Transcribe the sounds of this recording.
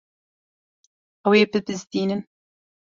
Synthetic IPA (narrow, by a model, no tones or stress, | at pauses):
ɐweːpɨpɨzd̪iːnɨn